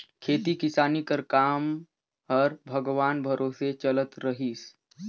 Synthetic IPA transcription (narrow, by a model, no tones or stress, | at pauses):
kʰeːt̪ikɪsaːnikəɾkaːm | ɦəɾbʱɐɡʋaːnbʱəɾʔoːset͡ʃələt̪ɾəɦis